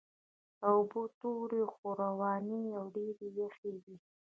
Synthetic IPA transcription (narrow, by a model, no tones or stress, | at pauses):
aʊbot̪oɾexoɾawɑniawɖeɾejaxewi